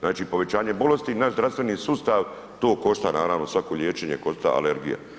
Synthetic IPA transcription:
znaːt͡ʃipo̞ʋe̞t͡ɕaːɲe̞bo̞le̞st̪inaʃzɾast̪ʋe̞niːsuːst̪aʋ | t̪o̞ːko̞ʃt̪anaːɾaːʋnosʋako̞ʎʲjeːt͡ʃe̞ɲe̞̰ko̞st̪a̰a̰le̞ɾɡḭja̰

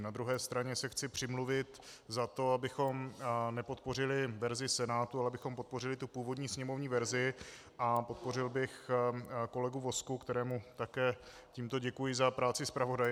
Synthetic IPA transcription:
nad̪ɾuɦɛːst̪ɾaɲɛsɛxt͡sɪpr̥ɪmluvɪt̪zat̪o̞abɪxo̞mnɛpo̞t̪̚po̞rɪlɪvɛɾzɪsɛnaːt̪ualɛabɪxo̞mpo̞t̪̚po̞rɪlɪt̪upuːvo̞dɲiːsɲɛmo̞vɲiːvɛɾzɪ | ʔapo̞t̪̚po̞r̝ɪlbɪx | ko̞lɛɡuvo̞skukt̪ɛɾɛːmut̪akɛːciːmt̪oɟɛkujɪzapɾaːt͡sɪspɾavo̞daj

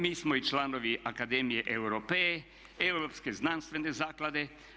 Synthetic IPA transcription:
miːsmɔit͡ʃlaːnoʋiʔakad̪eːmijɛʔewɾope | ɛwɾopskeznanst̪ʋɛnezaːklad̪e

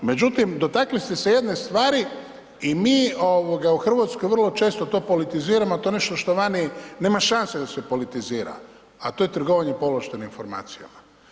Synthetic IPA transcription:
me̞d͡ʑut̪imd̪o̞t̪aklist̪eseje̞d̪ne̞st̪ʋaːɾi | imiːoʋoɡauxr̩ʋat̪sko̞jʋər̩lˠo̞t͡ʃe̞ːst̪o̞t̪o̞ːpo̞lit̪iziːɾamoat̪one̞ʃt̪o̞ʃt̪o̞ʋanine̞ːmaʃansed̪ase̞po̞lit̪iziːɾa̰ | at̪o̞ːjet̪r̩ɡo̞ʋaɲepo̞loʃt̪eninfo̞ɾma̰ːt̪sija̰ma

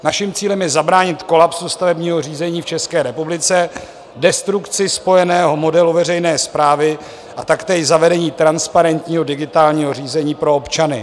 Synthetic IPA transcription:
naʃɪmt͡siːlɛmjɛzabɾaːɲɪt̪ko̞lapsust̪avɛbɲiːɦo̞r̝iːzɛɲiːft͡ʃɛskɛːɾɛpublɪt͡sɛ | dɛst̪ɾukt͡sɪspo̞jɛnɛːɦo̞mo̞dɛluvɛrɛjnɛːspɾaːvɪ | ʔat̪akt̪ɛʃzavɛdɛɲiːt̪ɾanspaɾɛnt̪ɲiːɦo̞dɪɡɪt̪aːlɲiːɦo̞riːzɛɲiːpɾo̞opt͡ʃanɪ̰

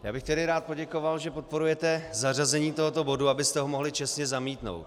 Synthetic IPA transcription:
ja̰ːbɪxt̪ɛdɪɾaːt̪̚poɟɛko̞valʒɛpo̞t̪̚po̞ɾujɛt̪ɛzarazɛɲiːt̪o̞ɦot̪obo̞duabɪst̪ɛɦomo̞ɦlɪt͡ʃɛsɲɛzamiːt̪no̞̰wt̪

